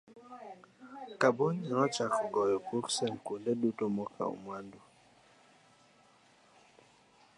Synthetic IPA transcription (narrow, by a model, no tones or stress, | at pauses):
kabɔɲɛɾɔt͡ʃakɡɔjɔkuɾsɛnkundɛdutɔmɔkʰa̰ṵmwandu